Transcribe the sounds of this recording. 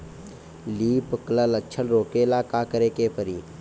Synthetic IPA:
liːpəklələt͡ʃʰəlɾoːkeːlaːkaːkəɾeːkeːpəɾiː

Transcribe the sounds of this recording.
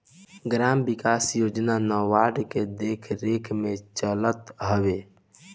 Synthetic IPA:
ɡɾambikasjoːd͡ʒnanɔwaɖked̪ekʰɾekʰmẽt͡ʃələt̪ɦəʋe

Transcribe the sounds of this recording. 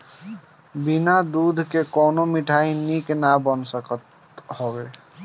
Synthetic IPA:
binad̪ud̪ʱkekɔnomiʈʰainiknabɔnsəkɔt̪ | hɔbe

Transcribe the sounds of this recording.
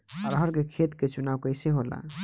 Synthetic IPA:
ɔɾɦəɾkekʰet̪ket͡ʃunawkəjseɦola̰

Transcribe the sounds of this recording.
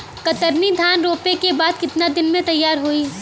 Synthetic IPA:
kɐt̪əɾnid̪ʱaːnɾoːpekebaːd̪̚kɪt̪nad̪ɪnmẽt̪ɐjːaːɾɦoiː

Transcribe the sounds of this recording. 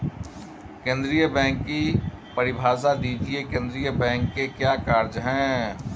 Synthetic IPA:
kẽːnd̪ɾijəbɛ̃ːŋkːipɐɾɪbʱaːsad̪iːd͡ʒiekẽːnd̪ɾijəbɛ̃ːŋkːekjaːkaːɾd͡ʒɦɛ̃ː

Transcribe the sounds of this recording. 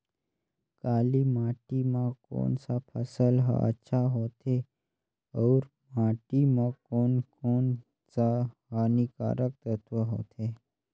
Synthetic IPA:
kaːlimaːʈimãko̰ːnsapʰəsəlɦa̰ə̰tːʃʰaɦoːt̪ʰe | ɔːɾ | maːʈimãkoːnkoːn | saɦaːnika̰ːɾək̚t̪ət̪ʋəɦo̰ːt̪ʰe

